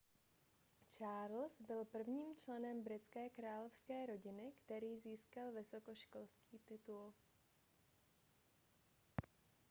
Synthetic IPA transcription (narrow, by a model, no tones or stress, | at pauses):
t͡ʃaːɾlsbɪlpr̩vɲiːmt͡ʃlɛnɛmbɾɪt͡skɛːkɾaːlofskɛːɾo̞ɟɪnɪkt̪ɛɾiːziːskalvɪso̞koʃko̞lskiːt̪ɪt̪ul